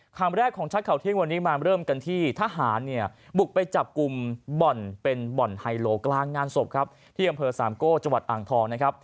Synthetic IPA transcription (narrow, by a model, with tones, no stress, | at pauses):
kʰaː˧mɾɛː˥˩kʰːɔː˩˦ŋt͡ɕʰa˦˥t̪̚kʰa˨˩wt̪ʰi˥˩ŋwa˧nːiː˦˥maː˧ɾɤː˥˩mka˧nt̪ʰiː˥˩t̪ʰaː˧˥˩ɦaː˩˦nːi˥˩ɐ | bu˨˩k̚pa˧jt͡ɕa˨˩p̚ku˧mbɔ˨˩npe˧nbɔ˨˩nha˧jloː˧klaː˧ŋːaː˧nso˨˩p̚kʰa˦˥p̚ | t̪ʰiː˥˩ʔa˧mpʰɤː˧saː˩˦mkoː˥˩t͡ɕa˧ŋwa˨˩t̪ʔaː˨˩ŋt̪ʰɔː˧ŋna˦˥kʰa˦˥p̚